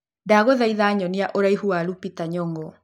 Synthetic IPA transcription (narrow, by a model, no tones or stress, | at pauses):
ndaɣoðaiðaɲɔniaʔoɾaiɦuaɾupitaɲɔŋɡɔ